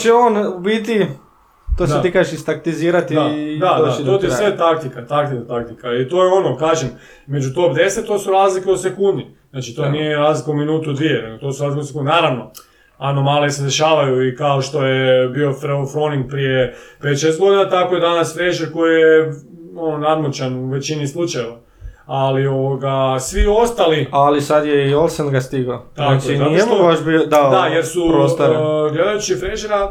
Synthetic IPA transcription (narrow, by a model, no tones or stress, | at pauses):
t͡ʃeoːnbit̪i | t̪oset̪ikaːʒeʃist̪ak̚t̪iziːɾat̪iad̪aat̪ot̪issʋet̪ak̚t̪ikat̪akt̪ikat̪ak̚t̪ikait̪ojeo̞nokat͡ʃen | me̞d͡ʒut̪o̞pd̪e̞set̪t̪ːoːsuɾaːzlikeosekund̪niznaːt͡ʃit̪onijeɾaːzlikauminuːt̪ud̪ʋijeneɡot̪o̞suɾaːzlikesekund̪enaːɾaʋno̞ | ano̞malised̪eʃaːʋajuikaoʃt̪o̞jebio̞fɾofoniŋɡ̚pɾijepet̪ʃejst̪ɡo̞d̪inat̪ako̞je̞d̪anasfɾeʒeɾko̞jijeononad̪mut͡ʃanuʋe̞t͡ɕinislˠut͡ʃajeʋa | alio̞ʋoɡasʋio̞st̪alialisad̪jeiolˠsenɡast̪iɡot̪aakt͡ʃoinatoeobaʃbiod̪ad̪ajeɾsuɾost̪oɾɡle̞d̪ajut͡ʃifɾeʒeɾa